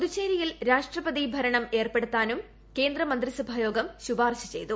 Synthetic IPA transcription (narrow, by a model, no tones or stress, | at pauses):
ðut͡ɕːeːɾijilɾaːʂʈrɐpɐðibʱɐɾɐɳɐme̞ːrpe̞ɽut̪ːaːnum | ke̞ːnd̪rɐmɐnd̪risubʱaːjo̞ːɡɐmɕubaːrɕɐ̥t͡ɕe̞jt̪u